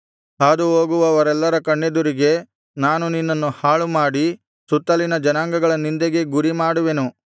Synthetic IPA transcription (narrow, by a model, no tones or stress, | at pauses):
ɦaːd̪uɦoːɡuʋɐʋɐɾɛlːɐɾɐkɐɳːed̪uɾiɡe̞ | naːnuninːɐnːuhaːɭumaːɽi | sut̪ːɐlinɐd͡ʒɐnaːŋɡɐɡɐɭɐnind̪eɡe̞ɡuɾimaːɽuʋe̞nu